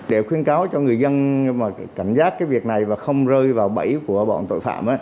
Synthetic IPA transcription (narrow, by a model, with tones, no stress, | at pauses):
ɗe˧˩xwi˧ənkaː˨˦wt͡ɕɔ˧ŋɨ˨˩əjzə˧nmaː˨˩ka˧˩jŋ̟zaː˦˥t̚kaː˨˦jvi˨˩ək̚na˨˩jvaː˨˩xə˧wŋ͡mzəː˧jvaː˨˩wɓə˧˩jku˧˩əɓɔ̰˧˨nt̪o̰˧˨jfa̰ː˧˨mʔaː˨˦